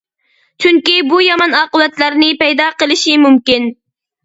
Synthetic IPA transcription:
t͡ʃʰyŋkʲibujɑmɑnɑːqəwɛt̪læɾnɪpɛjd̪ɑːqəlˠɪʃimumkʲin

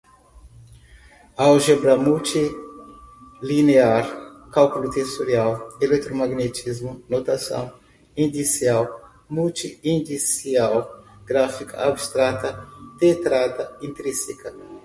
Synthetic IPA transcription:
awʒebɾamult̪i | lineaɾkalkulut̪esoɾiawelet̪ɾomaɡnet͡ʃ̪izmunot̪asɐ̰̃w̃ | ĩnd̪isiaw | mult̪iĩnd̪isiawɡ̥ɾafikɐ̰abst̪ɾat̪ɐt̪et̪ɾad̪ɐĩnt̪ɾisikɐ

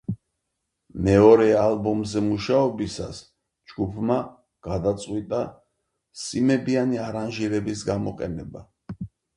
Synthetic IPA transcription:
mɛɔɾɛalbɔmzɛmuʃaɔbisas | d͡ʒɡupʰma | ɡ̥ad̪at̪sʼqʼwit̪ʼa | simɛbianiaɾanʒiɾɛbisɡamɔqʼɛnɛba

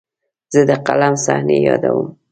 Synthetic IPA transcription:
z̥əd̪əqalamsahnejɑd̪awəm

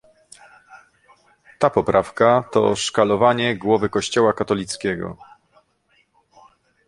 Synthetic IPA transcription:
t̪apɔpɾʔafkat̪ɔ̰ʂkalɔvaɲɛɡwɔvɘkɔɕt͡ɕɔwakat̪ɔlʲit̪skʲɛɡɔ̰

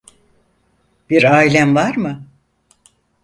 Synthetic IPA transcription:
b̥iɾaːilʲæmvaɾmɯ

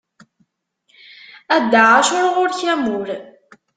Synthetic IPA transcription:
æd̪ːəʕaʃʊɾʁʊɾçæmuɾ

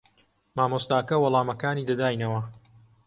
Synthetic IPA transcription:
maːmost̪aːkɐwɐlˠaːmɐkaːniːd̪ɐd̪aːjnɐwɐ

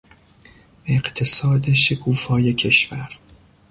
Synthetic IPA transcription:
eɢt̪ʰesɒːd̪eʃekʰuːfɒːjecʲʰeʃvæɾ

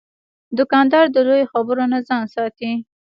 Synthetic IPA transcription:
d̪ʊkɑnd̪ɑɾd̪əlojoxabəɾonazɑnsɑt̪i

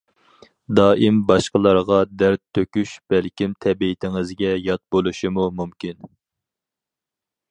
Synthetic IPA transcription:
d̪ɑːʔimbɑʃqəlˠɑɾʁɑd̪æɾt̪ʰːøkʲyʃb̥ælkʲimt̪ʰɛbiɪt̪ʰɪŋɪzɡʲɛjɑt̪̚bolˠuʃimumumkʲin

